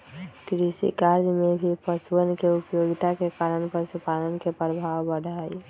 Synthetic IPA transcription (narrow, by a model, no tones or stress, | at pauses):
kɾisḭkaɾd͡ʒmebʱipəsuənkeupjoɡit̪akekaɾənpəsupalənkepɾəbʱawbəɽʱaj